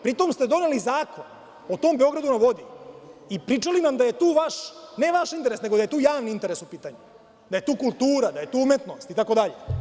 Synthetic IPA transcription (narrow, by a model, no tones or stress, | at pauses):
pɾit̪o̞mst̪e̞d̪o̞nelizaːkon | ot̪o̞ːmbeo̞ɡɾad̪unaʋo̞d̪iipɾit͡ʂaliʋamd̪aje̞t̪uːʋaʃne̞ʋaʃint̪eɾe̞sneɡo̞d̪aje̞t̪uːjaːʋniint̪e̞ɾe̞supiːt̪aɲu | d̪aje̞t̪uːkulˠt̪uːɾad̪aje̞t̪uːumjet̪no̞st̪it̪ako̞d̪aʎe